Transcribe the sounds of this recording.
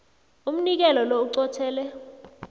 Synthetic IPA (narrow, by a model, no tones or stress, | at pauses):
um̩nik̬ɛlɔlouǀɔtʰɛːlɛ